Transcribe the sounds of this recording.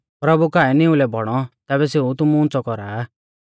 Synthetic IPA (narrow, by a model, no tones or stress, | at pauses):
pɾɐbukaːɛnɪũlɛbʱɔɽ̃ɔt̪ɛːβɛseːut̪̬ʊmuʊ̃nt͡sɔkɔɾaː